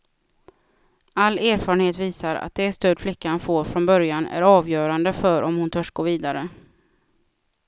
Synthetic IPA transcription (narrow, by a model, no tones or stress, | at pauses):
alːeːɾfɑːɾənheːt̪viːsaɾa̰t̪̚d̪ɛːst̪œɖflɪkːanfoːɾfɾɔnbœɾjanæ̰ɾɑːvjœːɾand̪əfœɾʔɔmhʊnt̪ʰœʂɡ̥oːɾviːd̪aɾə